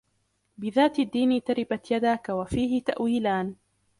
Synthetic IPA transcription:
bɪðaːt̪ad̪ːiːnt̪aɾɪbat̪jad̪aːkawafiːɦɪt̪a̰ʔwiːlaːn

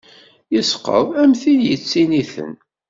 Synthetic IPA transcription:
jəsqːə̰ðæmθinjət͡sːiniθə̰n

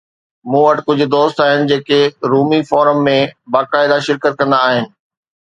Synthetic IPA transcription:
mũːɐʈkʊd͡ʑʱʊ̆d̪oːst̪aːɦɪnɪ̆d͡ʑeːkeɾuːmifɔːɾəmːẽbaːkaːɪd̪aʃɪɾkət̪̚kɐ̃nd̪aːɦɪnɪ̆

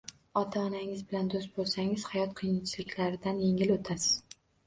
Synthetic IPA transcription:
ɒt̪ʰaɒnaŋɪzbɪland̪ost̪̚bolˠsaŋɪz̥hajɒt̪qʰɨjɪnt͡ʃʰɪlɪkʲlaɾɪd̪anje̞ŋɪlot̪ʰasɪz̥

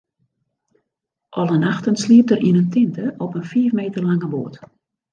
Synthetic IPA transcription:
ʔɔlˠənaxtənsliəp̚tərʔinəntʰɪntəʔɔpənfiːəfmeːtərlaŋəbo̰ːt

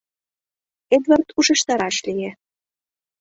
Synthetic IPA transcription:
ed̪vɑrt̪uʒə̆ʃt̪ɑɾɑʃlije

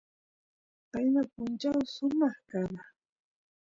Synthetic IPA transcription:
tajnapʊnt͡ʃawsʊmɑχkana

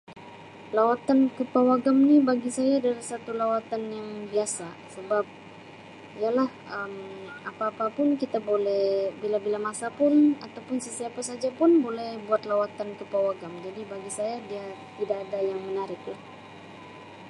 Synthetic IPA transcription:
lawat̪ankəpawaɡamnibaɡisajadalasat̪ulawat̪anjaŋbiasa | səbap̚ | ijalah | əm | apaːpapʊnkit̪abolɛhbilabilamasapʊnat̪awpʊnsəsiapasad͡ʒapʊnbolɛhbuat̪lawat̪ankəpawaɡamd͡ʒadibaɡisajadiat̪idaːdajaŋmənaɾɪk̚a

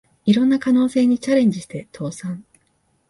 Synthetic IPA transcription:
iɾõ̞nːakano̞ːse̞ːɲ̟it͡ɕaɾẽ̞ɲ̟d͡ʑiɕi̥t̪e̞t̪ʰo̞ːsãŋ

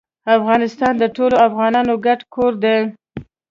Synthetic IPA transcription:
afɣɑnɪst̪ɑnd̪əʈoloafɣɑnɑnoɡaʈkʰoɾd̪e

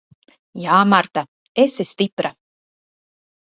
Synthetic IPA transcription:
jaːmaɾt̪a | esest̪ipɾa

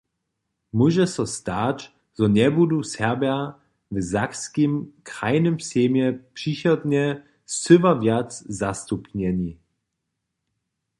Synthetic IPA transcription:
muʒɛsɔst̪at | z̥ɔɲɛbud̪usɛʁbja | vzakskimkʁajnɘmpseːmjɛpʂiçɔd̪ɲɛ | sʏvavjatszast̪upɲɛɲi

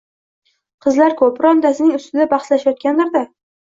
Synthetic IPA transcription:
qʰɨzlaɾkʰɵpɾɒnd̪asɪnɪŋʊst̪ɪd̪abɑχslaʃajɒt̪̚kʲanlaɾd̪a

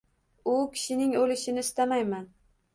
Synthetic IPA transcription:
ʊkʲʰɪ̥ʃɪnɪŋolɪʃɪnɪst̪amajman

